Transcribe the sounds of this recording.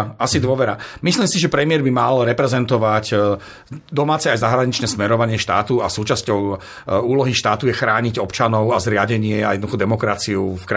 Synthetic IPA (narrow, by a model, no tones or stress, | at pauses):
asid̪ʋɔʋɛɾamisliːmsiʒɛpɾɛmɪɛɾbimalɾɛpɾɛzɛnt̪ɔʋac | d̪ɔmaːt͡sɛajzaɦɾaɲit͡ʃnɛːsmɛɾɔʋaɲɪɛʃt̪a̰ːt̪ua̰suːt͡ʃascɔʊ | uːlɔɦiʃt̪aːt̪ujɛxɾaːɲiɟɔpt͡ʃanɔʊazɾɪaɟɛɲɪɛa̰jɛd̪nd̪uxɔd̪ɛmɔkɾat͡siufkɾ